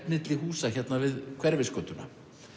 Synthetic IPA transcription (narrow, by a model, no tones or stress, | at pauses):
pnɪt̪lɪɦuːsaçɛt̪navɪðkʰv̥ɛɾvɪskœːt̪ʏna̰